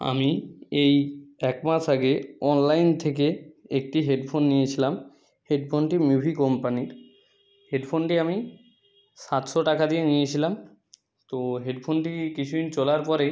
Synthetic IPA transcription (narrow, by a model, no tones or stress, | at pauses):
a̰miejɛkmaʃaɡeɔnlajnt̪ʰek̬eek̚ʈiɦeɖpʰonːijet͡ɕʰilam | heɖpʰonʈimjubʱikɔmpaniɾ | heɖpʰonʈiami | ʃat̪ʃoʈakad̪ienijet͡ɕʰilam | t̪oɦeɖpʰonʈikit͡ɕʰuint͡ɕolaɾpɔɾe